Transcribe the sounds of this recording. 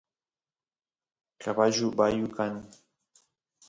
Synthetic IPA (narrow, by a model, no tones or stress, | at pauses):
kabaʒʊbajʊkan